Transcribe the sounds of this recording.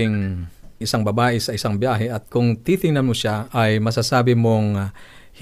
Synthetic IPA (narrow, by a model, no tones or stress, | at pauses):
ɪŋɪsaŋbɐbaːʔɪsɐɪsaŋbjaːɦɛʔɐt̪̚kʊŋt̪it̪ɪŋnɐnmoʃaʔɐjmɐsasaːbɪmoŋ | h